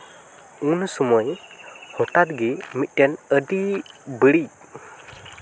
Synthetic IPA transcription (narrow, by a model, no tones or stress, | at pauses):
unsuməjhɔʈat̪ɡimit̪̚ˀʈɛnəɖibəɽi